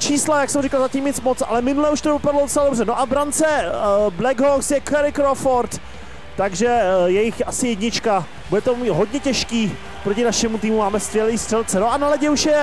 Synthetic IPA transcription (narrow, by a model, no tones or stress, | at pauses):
t͡ʃiːslajaksɛmrɪkalzacimɲɪt͡smot͡sʔa̰lɛmɪnulɛuʃt̪ovɪpadloot͡sɛladbrɛnoʔabɾant͡sɛblɛɡɦoksjɛkɛɾɪkɾofoɾt̪ː | aɡʒɛjɛjɪxʔasɪjɛdɲɪt͡ʃka | budɛt̪omɦo̞d̪ɲɛcɛʃkiː | pɾo̞cɪnaʃɛmut̪iːmumaːmɛskvʲjɛliːst̪r̥ɛlt͡sɛno̞ʔanalɛɟɛuʃjɛ